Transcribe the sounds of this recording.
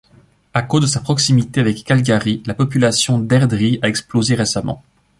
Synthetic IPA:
akozd̪əsapχɔksimit̪eavɛkːalɡʲaʁilapɔpylasjɔ̃d̪ɛʁd̪ʁiaɛksplozeʁesamɑ̰̃

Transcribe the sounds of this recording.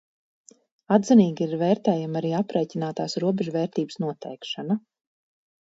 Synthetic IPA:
ad̪ziniːɡiiɾvɛːɾt̪ɛːjamaɾiːapɾeːcinaːt̪aːsɾuɔbɛʒuvɛːɾt̪iːbəsnuɔt̪ɛjkʃana

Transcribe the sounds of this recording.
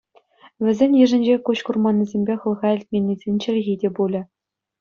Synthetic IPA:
ʋʲɘ̆zʲenʲjɘ̆ʐɘ̆nʲd͡ʑekuɕkurmɑnʲːizʲemʲbʲeχɤ̆lˠʁɑɘ̆lʲt̚ʲmʲenʲːizʲenʲt͡ɕɘ̆lʲɣʲidʲebulʲɘ̆

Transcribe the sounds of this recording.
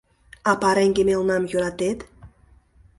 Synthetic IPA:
apaɾɛŋɡemelˠnamjoɾat̪et̪

